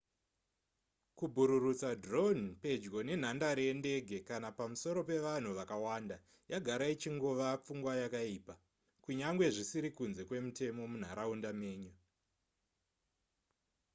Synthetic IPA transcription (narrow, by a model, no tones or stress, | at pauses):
kubʱuɾurut͡sadro̞npe̞d͡ʒɡo̞ne̞n̤andaɾende̞ɡʱe̞kanapamuso̞ɾo̞pe̞ʋan̤uʋakawanda | jaɡʱaɾait͡ʃiŋɡoʋap͡fuŋɡwajakaiːpa | kuɲaŋɡwe̞ʐisiɾikunze̞kwe̞mute̞mo̞mun̤a̰ɾaundame̞ːɲu